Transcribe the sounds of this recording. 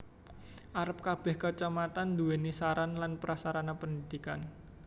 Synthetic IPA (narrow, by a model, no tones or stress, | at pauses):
ʔaɾəp̚kab̥ɛ̤hkət͡ʃəmat̪and̪uɛnisaɾanlanpəɾasaɾanapənid̪ikan